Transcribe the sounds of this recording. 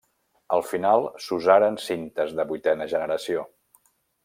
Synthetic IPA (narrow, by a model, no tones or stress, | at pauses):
əlˠfinalˠsuzaɾənsint̪əzðəβut̪ɛnəʒənəɾəsio